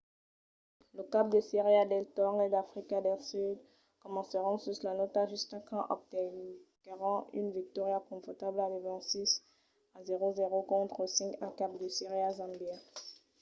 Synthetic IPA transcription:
ləkap̚d̪əseʁiad̪ɛlt̪ɔʁed̪afχikad̪ɛlsyd̪ | kɔmɑ̃səʁɑ̃suslanɔt̪aʒyst̪ɛ̃kɑ̃ʔɔ̰p̚t̪ɛnkaʁɑ̃ʔynvik̚t̪ɔʁjakɔ̃fɔʁt̪ablalevɛ̃sis | azeʁozeʁokɔ̃t̪χəsɛ̃kɛ̃kapd̪əseʁiazɑ̃bjɛʁ

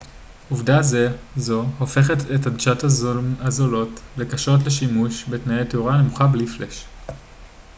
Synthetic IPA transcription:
uvdazezo̞hofe̞χetetadʃataazolo̞tlekaʃot̬le̞ʃimuʃbetnajeteuʁane̞muχablifle̞ʃ

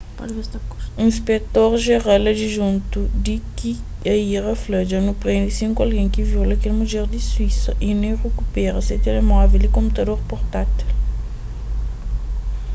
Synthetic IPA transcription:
pɔ̰d͡ʒvesakuĩspet̪oɾʒeʁalɐd͡ʒiʒũnt̪ud̪iki | ɐiʁɐflɐd͡ʒɐnupɾeɲd̪isĩŋkualɡẽj̃kiviwlɐkelmuʒeɾd̪iswisɐʔinẽjʁekupɛɾɐset̪elemɔvelikõmput̪ɐd̪oɾpoɾt̪at̪il

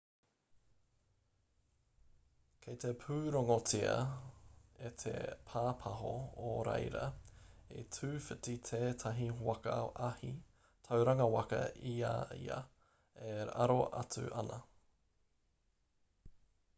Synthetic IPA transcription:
kʰejt̪ʰepʰʉːɾoŋot͡siɐ̰ | et̪ʰḛpʰaːpʰɐɦooɾḛjɾɐḛtʰʉːfɨtit̪ʰeːt̪ʰɐɦiwɐkɐ̰ʔɐhi | tʰɐwɾɐŋɐwɐkɐ̰ia̰ḭɐ̰ | eɾɐ̰ɾoʔɐ̰t͡sʉ̰ʔɐnɐ

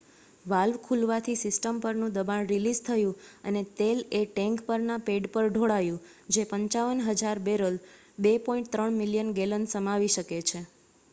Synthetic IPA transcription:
ʋalʋkʰulʋat̪ʰisɪsʈəmpəɾnũd̪əbanɾilizt̪ʰəjũənet̪eleʈɛ̃ŋkpəɾnapeɖpəɾɖʱoɽajũ | d͡ʒepəɲt͡ʃaʋənɦəd͡ʒaɾbeɾəl | bepɔĩɳʈ̚t̪ɾəɳmiljənɡelənsəmaʋiʃəket͡ʃʰe

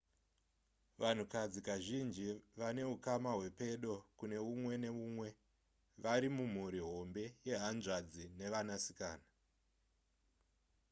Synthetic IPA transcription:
ʋan̤ukad͡zikaʒind͡ʒiʋane̞ɦukamaɦwe̞pe̞ɗo̞kune̞umwe̞ne̞umwe̞ | ʋaɾimum̤uɾiɦo̞mbe̞je̞ɦanʐad͡zine̞ʋanasi̥kaːna

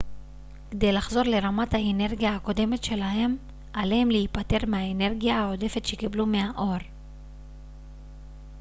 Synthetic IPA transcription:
ked̪e̞jlaχzo̞ʁle̞ʁamathaene̞ʁɡijaːko̞de̞me̞tʃe̞laɦe̞m | alehemleipate̞ʁmeaene̞ʁɡijahao̞de̞fe̞t̪ʃe̞kiblumeaʔo̞ʁ

